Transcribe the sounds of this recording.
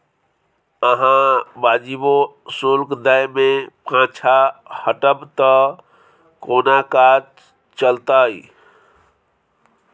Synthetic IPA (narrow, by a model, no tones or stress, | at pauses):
əɦãbad͡ʒibosolkd̪əjmẽpãt͡ʃʰahəʈəbt̪ə | koːnakad͡ʒ | t͡ʃəlt̪ai